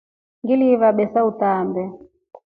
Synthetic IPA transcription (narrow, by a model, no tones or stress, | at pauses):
ŋɡilivaɓɛsautaːmbɛ